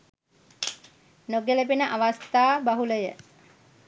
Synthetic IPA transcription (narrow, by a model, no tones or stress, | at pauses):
noɡeləpinəʔaʋast̪aːbaɦuləjə